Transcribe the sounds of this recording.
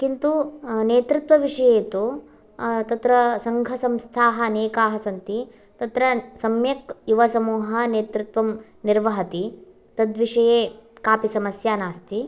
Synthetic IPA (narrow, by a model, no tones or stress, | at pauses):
kint̪uneːt̪ɾut̪ʋɐʋiʂɐjeːt̪u | t̪ɐt̪ɾɐsɐŋɡʱɐsɐmst̪ʰaːɦɐːneːkaːɦɐsɐnt̪i | t̪ɐt̪ɾɐsɐmjɐkjuʋɐsɐmuːɦɐneːt̪ɾut̪ʋɐm | niɾʋɐɦɐt̪i | t̪ɐd̪ʋiʂɐjeːkaːpisɐmɐsjaːnaːst̪i